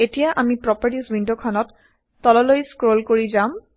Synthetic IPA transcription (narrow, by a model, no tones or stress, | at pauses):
etijaʔamipɹɔpaɹtisbindokʰɔnɔtː | ɔlɔlojskɹolkoɹizam